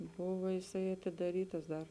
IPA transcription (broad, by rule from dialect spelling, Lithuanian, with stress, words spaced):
ˈbʊʋoː jɪˈsɐɪ ɐtʲɪdɐˈrʲiːtɐs ˈdɐr